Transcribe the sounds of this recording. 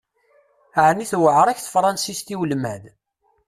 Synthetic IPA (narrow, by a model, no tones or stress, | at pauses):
aʕnːiθwəʕɾˤæçθə̥fɾˤɑnsist̪iwəlmæð